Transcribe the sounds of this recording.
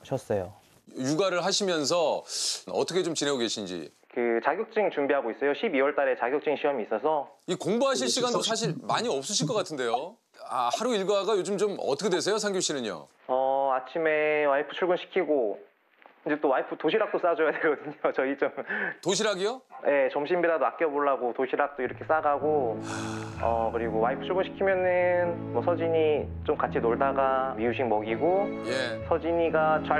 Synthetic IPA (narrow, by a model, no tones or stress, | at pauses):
ɕʰʌs͈ʌjo̰ | juɡaɾɯɭɦaɕʰimjʌns̬ʰʌʌ̰tʰʌkʰet͡ɕomt͡ɕinɦe̞oɡe̞ɕʰind͡ʑḭ | kɯt͡ɕaɡjʌk̚t͡ɕ͈iŋt͡ɕuŋbiɦaɡois͈ʌjoɕʰibiwʌɭt͈aɾe̞t͡ɕaɡjok̚t͡ɕ͈iŋɕʰiʌmiːs͈ʌsʰʌikoŋbuɦaɕ̬ʰiɭɕʰiɡandos̬ʰaɕ̬ʰiɭmaɲiʌp̚s͈ɯɕʰiɭk̬͈ʌk͈atʰɯnde̞jo | a̰haɾuiɭɡaɡajod͡ʑɯmt͡ɕomʌ̰tʰʌkʰedwes̬ʰejosʰaŋɡjoɕ͈inɯɲo̰ | ʌat͡ɕʰime̞waipʰɯ̥t͡ɕʰuɭɡunɕʰi̥kʰiɡo | kʰɯnd͡ʑet͈owaipʰɯtoɕʰiɾak̚t͈os͈ad͡ʑojadweɭɡʌdɯɲot͡ɕʌit͡ɕomtoɕ̬ʰiɾaɡijojʔe̞t͡ɕʌmɕʰimbiɾadoak͈̚jʌboɭːaɡotoɕʰiɾak̚t͈oiɾʌkʰes͈aɡaɡoaʌkɯɾiɡowaipʰɯ̥t͡ɕʰuɭɡunɕʰi̥kʰimjʌnɯnmʌsʰʌd͡ʑiɲi | t͡ɕomkat͡ɕʰinoɭdaɡamiuɕ̬ʰiŋmʌɡiɡoje̞sʰʌd͡ʑiɲiɡat͡ɕa